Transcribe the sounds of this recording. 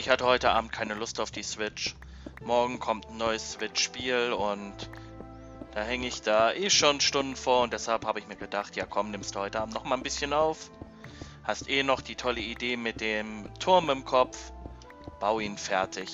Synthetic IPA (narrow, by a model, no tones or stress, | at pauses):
ɪçhatəhɔʏtəʔaːbm̩t̚kʰaɪnəlʊstaʊfd̥iːsv̥ɪt͡ʃ | mɔɐɡŋ̩kʰɔmtn̩nɔʏəsːv̥ɪt͡ʃʃpiːlʊnt | d̥aːhɛŋəɪçd̥aːʔeːʃoːnʃtʊndn̩foːɐʊntd̥ɛshalphaːbəɪçmiːɐɡədaχtjaːkʰɔmnɪmstd̥uːhɔʏtəʔaːm̩tnɔχmaːlnbɪsçənaʊf | hastʔeːnɔχd̥iːtʰɔləideːmɪt̚d̥eːmtʰʊɐmɪmkʰɔpp͡f | b̥aʊiːnfɛɐtʰɪç